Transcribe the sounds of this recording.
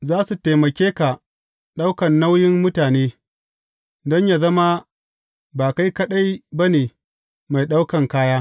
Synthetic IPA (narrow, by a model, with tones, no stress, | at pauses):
zaː˦su˨te˨mɐ˨kʲeː˦ka˨ | ɗa˦wkɐ˨nːa˦wjɪ˦mːʊ˦taː˨neː˦ | dɔ˦ɲja˨zɐ˦ma˦ | baː˨ka˦jkɐ˦ɗa˦jba˦neː˨ | ma˨jɗa˦wkɐ˨ŋkaː˦jaː˦